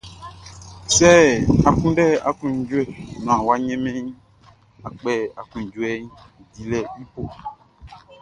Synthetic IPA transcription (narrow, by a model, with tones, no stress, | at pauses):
sɛ˦a˨kũ˦nɖɛ˦˨a̰˨kũ˦ɲ̩˨˦d͡ʒu˦ɛ˦˨nɔ̃˨a˨wa˦ɲɛ̃˦mɛ̃˦ɲ˦ | a˨k͡pɛ˦˨a˨kũ˨ɲ̩˨d͡ʒu˦ɛ˦ɲ˦˨ | di˨lɛ˨i˦po˦